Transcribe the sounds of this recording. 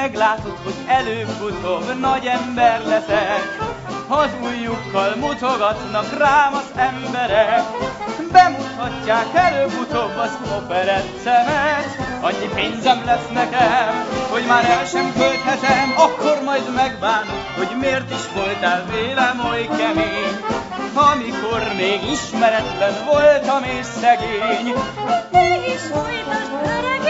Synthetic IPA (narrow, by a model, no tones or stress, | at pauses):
ɛɡlaːt̪o̞t̪ho̞ɟɛløːbːut̪o̞bnɒɟɛmbɛrlɛsɛk | hɒzuːjːukːɒlmut̪oɡɒt̪nɒkraːmɒzɛmbɛɾɛkbɛmut̪hɒcːaːkɛløːbut̪obɒzofɛɾɛt̪sɛmɛʃ | ɒɲːipeːɲzɛmlɛsnɛkɛmho̞ɟmaːɾɛlʃɛŋkølt̪hɛt̪ɛmɒkːormɒjd̪mɛɡ̚baːnt̪okho̞ɟmeːrt̪iʃvo̞lt̪ɛlveːlɛmɦojkɛmeːɲ | ɒmiko̞rmeːɡiʃmɛɾɛt̪lɛnvo̞lt̪ɒmeːʃsɛɡeːɲ | øːʃoj